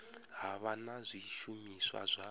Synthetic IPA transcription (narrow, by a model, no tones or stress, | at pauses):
ɦaβanazʷiʃumiswa̰zʷa